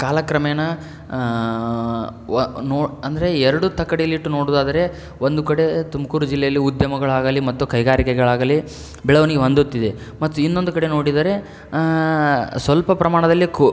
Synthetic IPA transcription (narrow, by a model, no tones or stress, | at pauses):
kaːlɐkɾɐmɛjɐnɐ | noːɐnd̪ɐɾe̞ɛɾɐɽut̪ɐkːɐɽiliːʈːuno̞ːɽuːd̪aːd̪ɐɾe̞ | ond̪ukɐɽe̞t̪umɐkuːɾud͡ʒilːɛjɐlːiud̪jɐmɐɡɐɭaːɡɐlimɐt̪ːukɐjɡaːɾikɛɡɐɭaːɡɐli | bɛɭɐʋɐniɡeʋɐnd̪ut̪ːid̪e | mɐt̪ːuinːo̞nd̪ukɐɽe̞noːɽid̪aːɾe̞ | sʋɐlpɐpɾɐmaːɳɐd̪ɐlːik